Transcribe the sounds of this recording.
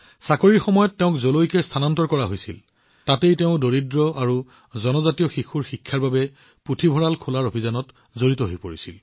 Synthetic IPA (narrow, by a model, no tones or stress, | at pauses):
sakoɹiɹxɔmɔjɔtːeʊ̃kzolojkɛstʰanantɔɹkɔɹaɦojsḭl | tatejteʊ̃doɹidɹɔaɹu | zɔnɔzatiɔxixʰuɹxikʰːaɹbabɛ | pɹutʰibʱɔɹalkʰulaɹobʱizanɔt | zoɹitɔɦojpoɹisil